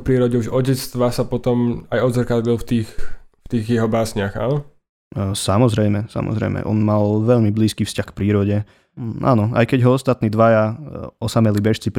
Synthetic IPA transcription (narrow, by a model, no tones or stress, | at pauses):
pɾiːɾɔɟɛuʒɔɟɛt͡st̪ʋasapɔt̪ɔmajɔd̪zaɾkad̪lilft̪iːxft̪iːɣjɛɦɔbaːsɲɪaxa̰ːnɔ | samɔzɾɛjmɛsa̰mʔɔ̰zɾɛ̰jmɛ̰ʔɔ̰nmalʋɛʎmibliːskiːfscaxk̚pɾiːɾɔɟɛ | a̰ːnɔa̰jkɛɟɦɔɔst̪at̪niːd̪ʋajaɔsamɛlibɛʃt͡sip